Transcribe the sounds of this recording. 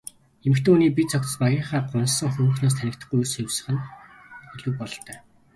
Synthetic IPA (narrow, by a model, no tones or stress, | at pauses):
emɘ̆kt̪ʰeːuniːpit̪̚t͡sʰɔk̚t͡s̪̆spajə̆ɴχaːɢʊnsːə̆ŋxɵm̆xnoːs̬t̪ʰænʲɪ̆k̚t̪ə̆χɡujursɵwsə̆χɘ̆n | ɵɮŭw̚pɔɮt̪œː